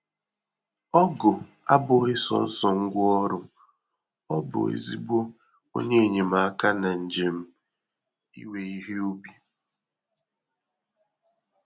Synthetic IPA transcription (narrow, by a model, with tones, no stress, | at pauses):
ɔ˦ɡʊ˨ | a̰˦bʊ˨˦ɣɪ˦sɔ̰˦n̩˦sɔ˨ŋ̩˦ɡʷʊ˦ɔ˦ɾʊ˦ | ɔ˦bʊ̰˨ḛ˦zi˦bo˦ | o̰˦ɲe˦e˨ɲe˨m̩a˨˦ka˦na˨n̩˨d͡ʒe˨m̩˦ | ḭ˦we˨i˦ɦe˦o˦bi˨